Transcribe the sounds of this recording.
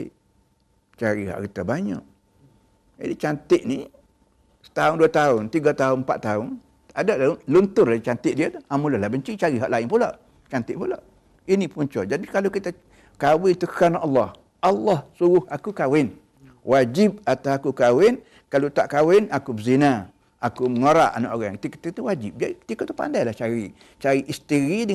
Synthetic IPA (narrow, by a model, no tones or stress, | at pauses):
t͡ʃaɾiha̰ʔkit̪abaɲa̰ʔ | d͡ʒa̰dit͡ʃant̪ɪʔni | sə̥t̪aʊnduat̪aʊnt̪iɡat̪aʊnmpa̰t̪ːaʊn | adaʔllunt̪ʊrat͡ʃant̪ɪʔdiat̪uamulahlahbəɲt͡ʃit͡ʃaɾiɦaʔlaɪnpulaʔ | t͡ʃant̪ɪʔpula̰ʔ | inipuɲt͡ʃa̰d͡ʒadikalowkit̪a | kawɪnt̪əkanʔɑlːɑh | ɑlːɑhsuɣʊhakukawɪn | wad͡ʒip̚at̪asakukawɪn | kalot̪aʔkawɪnakubəzina | akuməŋoɾaʔana̰ʔoɣaŋt̪ikit̪it̪uwad͡ʒɪp̚ɡat̪ikɔʔt̪upa̰ndajlaht͡ʃaɾi | t͡ʃaɾiʔist̪iɾidə